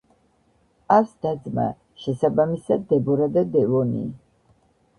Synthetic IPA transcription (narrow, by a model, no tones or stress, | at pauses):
asd̪̥ad̪zma̰ | ʃɛsabamisad̪ːɛbɔɾad̪ad̪ɛvɔnḭ